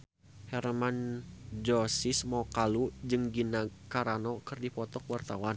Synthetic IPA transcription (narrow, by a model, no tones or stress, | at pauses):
hɛrmand͡ʒɔsɪsmawkalud͡ʒɨŋɡinakaɾanɔkɨrdipɔt̪ɔkwart̪awan